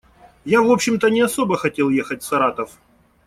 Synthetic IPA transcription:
javo̞pɕːɪmt̪ənʲɪɐso̞bəxɐtʲe̞lˠje̞xətʲfsɐɾat̪əf

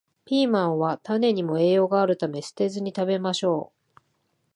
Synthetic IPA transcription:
pʲiːmãɰ̃βat̪ane̞ɲ̟imo̞e̞ːjo̞ɡaːɾɯ̟t̪ame̞sɨ̥t̪e̞zɨɲ̟it̪abe̞maɕo̞ː

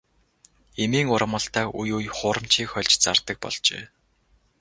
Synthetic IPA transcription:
emiːŋʊɾə̆mə̆ɬt̪aːujujχʊːɾə̆m̥t͡ɕʰiːkxχœɮʲt͡ɕt͡sart̪ə̆k̚pɔ̰ɮt͡ɕḛː

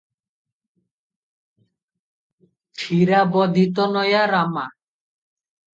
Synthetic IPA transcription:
ʈʰiɾabɔd̪ʱit̪̬ɔnɔjaɾama

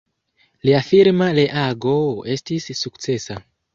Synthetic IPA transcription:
liafiɾmaleʔaɡoe̞stisːukt͡se̞sa

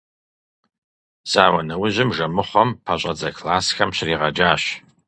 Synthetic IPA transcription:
z̥aːwɐnɐwʊʑɪmʐɐmɨχʷɔmpʰɐɕʼɐd͡zɐkʰlaːsxɐmɕriːʁɐd͡ʒaːɕ

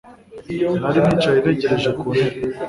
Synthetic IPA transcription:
haɾinit͡ʃajineceɾeʒekuɾe

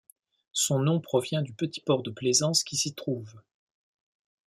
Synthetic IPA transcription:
sɔ̃nɔ̃pχɔvjɛ̃d̪ypət̪i̥pɔʁd̪əplezɑ̃skʲisit̪χuːv

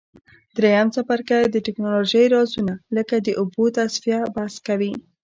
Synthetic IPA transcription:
d̪ɾejamsafaɾkajd̪əʈɪknɑloʒəjɾɑzunaləkad̪əʔʊbot̪asfijabaskawi

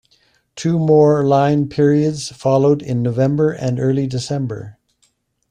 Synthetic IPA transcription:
tʰʉmɔɹlãɪ̃npʰɪɹiɨdz̥fɑlˠoʊɾɪ̃nːoʊvɛ̃mbə˞ʔɨ̃nɜ˞lˠidɨsɛ̃mbə̰˞

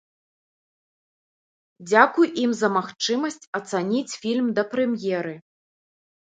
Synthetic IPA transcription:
d͡zʲakujimzɐmaxt͡ʂɨmɐsʲt͡sʲɐt̪sanʲit͡sʲfʲilʲmd̪ɐpɾɛmjɛɾɨ

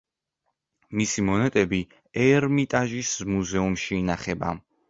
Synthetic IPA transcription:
misimɔnɛt̪ʼɛbi | ɛɾmit̪ʼaʒismuzɛumʃiːnaχɛba̰

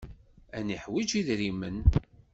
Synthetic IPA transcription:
æniħwid͡ʒiðɾimən

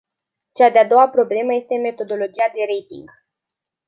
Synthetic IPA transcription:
t͡ʃad̪ead̪o̞wapɾo̞ble̞məje̞st̪e̞me̞t̪o̞d̪o̞lo̞d͡ʒijad̪e̞ɾe̞jt̪ḭŋɡ

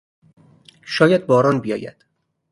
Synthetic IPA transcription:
ʃɒːjæd̪̚bɒːɾɒːnbijɒ̰ːjæ̰d̪̥

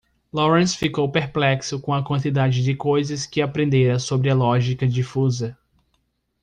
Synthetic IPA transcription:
lɔɾẽsfikowpeɾplɛksʊkõɐkwɐ̃nt̪id̪ad͡ʒɪd͡ʒɪkojzɐskɪapɾẽnd̪eɾɐsobɾɪɐlɔʒikɐd͡ʒifuzɐ

